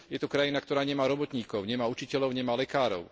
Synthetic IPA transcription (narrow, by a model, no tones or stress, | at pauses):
jɛt̪ɔkɾajinakt̪ɔɾaːɲɛmaːɾɔbɔt̪ɲiːkɔʊɲɛmaːut͡ʃicɛʎɔʊɲɛmaːlɛkaːɾɔ̰ʊ